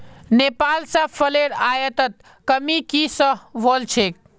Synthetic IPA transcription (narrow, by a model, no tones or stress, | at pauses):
nepaːlsə̃pʰəleɾajət̪ət̪̚ | kəmikisəɦʋɔlt͡ʃʰek̚